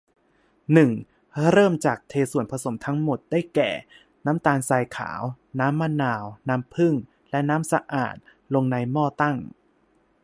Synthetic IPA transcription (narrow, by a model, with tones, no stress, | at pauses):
nɯ˨˩ŋ | ɾɤː˥˩mt͡ɕaː˨˩k̚t̪ʰeː˧su˨˩ənpʰa˧so˩˦mt̪ʰa˦˥ŋmo˨˩t̪̚da˥˩jkɛ̰ː˨˩ | naː˦˥mt̪aː˧nsaː˧jkʰa̰ː˩˦w | naː˦˥mːaː˥˩naː˧wnaː˦˥mpʰɯ˥˩ŋ | lɛ˦˥naː˦˥msa˧ʔa̰ː˨˩t̪̚ | lo˧ŋna˧jmɔː˥˩t̪a˥˩ŋ